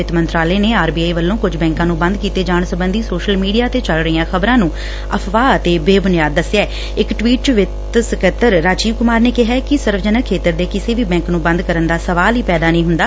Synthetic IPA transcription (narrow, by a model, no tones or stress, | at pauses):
ɪt̪mənt̪ɾaːleːneːaːɾbiːaːiʋəlːõːkʊd͡ʒbɛ̃ːŋkãːnũːbə̃nd̪̚kiːt̪eːd͡ʒaːɳsəbənd̪iːsoːʃəlmiːɖijaːt̪eːt͡ʃəlɾəijãːxʰəbɾãːnũː | əpʰʋaːət̪eːbeːbʊnɪjaːd̪ːəsɛː | ɪkʈʋiːʈ̚t͡ʃʋɪt̪səkət̪əɾːaːd͡ʒiːʋkʊmaːɾneːkɪɦaːkɪsəɾʋd͡ʒənəkʰːeːt̪əɾd̪eːkɪseːʋiːbɛ̃ːŋknũːbə̃nd̪kəɾənd̪aːsəʋaːliːpɛːd̪aːnəĩːɦʊnd̪aː